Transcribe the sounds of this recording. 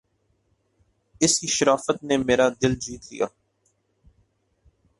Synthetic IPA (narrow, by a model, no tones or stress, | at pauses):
ɪskiʃɐɾaːfət̪̚nemeːɾad̪ɪld͡ʒiːt̪lḭja̰ː